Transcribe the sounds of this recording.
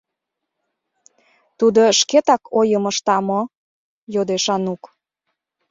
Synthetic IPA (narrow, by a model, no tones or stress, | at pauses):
t̪ud̪oʃket̪ɑkʰojəməʃt̪ɑmo | jod̪eʃɑnuk